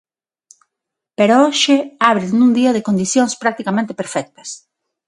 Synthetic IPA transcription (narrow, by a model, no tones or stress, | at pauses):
peɾooʃɪaβɾɪnũŋd̪iɐðekond̪iθjoŋspɾak̚t̪ikamẽnt̪e̥peɾfɛk̚t̪ɐ̥s